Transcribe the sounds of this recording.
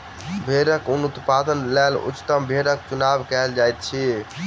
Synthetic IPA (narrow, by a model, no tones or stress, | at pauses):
bʱeɾəkunut̪pad̪ənlɛlṵt͡ʃːt̪əmbʱeɾəkt͡ʃunabkɛld͡ʒajt̪̚t͡ʃʰi